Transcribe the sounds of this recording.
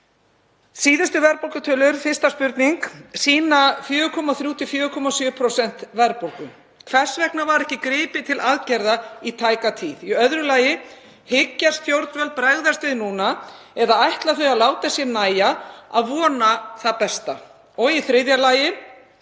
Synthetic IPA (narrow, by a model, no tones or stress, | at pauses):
siːðɪst̪ʏvɛɾpowlkat̪ʰœːlʏɾ̥fɪrst̪aspʏɾt̪niŋksiːnafjœːʏkʰɔmaθɾjuːt̪ʰɪfjœːʏkʰɔmasjʏːpʰɾosɛn̥t̪vɛɾpowlkʏm | kʰvɛr̥svɛknavaɾɛhcɪkɾɪːpɪt̪ʰɪlʔaðcɛɾðait̪ʰaːjkat̪ʰiːðiœðɾʏlaːjɪ | hɪcːast̪θjowɾt̪vœlt̪̚pɾaɣðast̪ʏðnuːnaɛðaajht̪laθœjalaːwt̪asjɛɾnaːjaa̰ðvɔːnaθapɛst̪a | ɔɣiθɾɪðjalaːjɪ